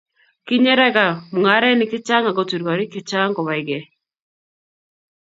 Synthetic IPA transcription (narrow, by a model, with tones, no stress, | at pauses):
ki˦ɲe˦ɾa˦ɡa˨mu˨ŋa˨˦ɾɛ˦nɪ˨kɪ˦t͡ʃa˦ŋa˨ɡɔ˨tu˨ɾɡɔ˨ɾi˦kɪ˨t͡ʃa˦ŋkɔ˨βa˨ɪ˨ɡɛ˨